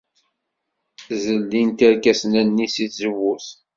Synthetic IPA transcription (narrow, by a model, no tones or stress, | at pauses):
zəlːint̪æɾkæsnænːisiθzəvːuθ